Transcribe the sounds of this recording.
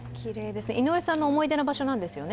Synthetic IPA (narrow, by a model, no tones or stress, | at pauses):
kʲiɾed̪esɨneʔinoesãnːoːmo̞id̪e̞nabaɕo̞nãnd̪e̞sɨjo̞n